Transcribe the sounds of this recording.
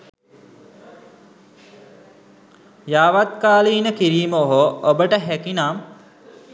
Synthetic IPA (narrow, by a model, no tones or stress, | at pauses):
jaːʋat̪̚kaːliːnəkiɾiːməoɦoobəʈəɦækinaːm